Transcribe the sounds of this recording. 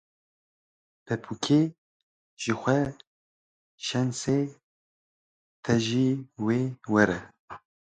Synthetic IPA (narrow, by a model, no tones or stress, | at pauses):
pʰɛpʰukʰe | ʒ̥ɨxʷɛ | ʃɛnseː | t̪ʰɛʒiːweːwɛɾɛ